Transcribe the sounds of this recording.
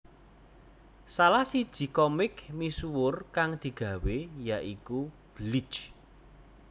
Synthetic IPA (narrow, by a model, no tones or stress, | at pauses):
salasid̥ʒ̥i̤kɔmɪkmisuwʊrkaŋd̪̥i̤ɡ̥a̤wejaʔiku | b̥li̥t͡ʃ